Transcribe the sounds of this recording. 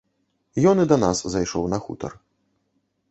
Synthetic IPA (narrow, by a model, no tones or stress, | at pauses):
jɔnɨd̪ɐnaszajʂɔwnɐxṵt̪ɐ̰r